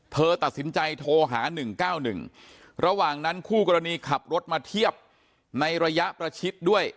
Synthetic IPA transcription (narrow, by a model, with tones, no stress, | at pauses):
p̪ʰɤː˧t̪a˨˩t̪̚si˩˦nt͡ɕa˧jt̪ʰoː˧ɦaː˩˦nɯ˨˩ŋkaː˥˩wnɯ˨˩ŋ | ɾa˧waː˨˩ŋna˦˥nkʰuː˥˩kɔː˧ɾa˧niː˧kʰa˨˩p̚ɾo˦˥t̪̚maː˧t̪ʰi˥˩əp̚ | na˧jɾa˧ja˦˥ʔpɾa˧t͡ɕʰi˦˥t̪̚du˥˩əj